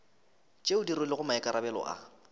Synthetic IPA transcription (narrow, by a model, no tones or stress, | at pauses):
t͡ʃʼeʊdirʊlɪɣʊmaɛkʼaɾʔabɛlɔ̰ʔa̰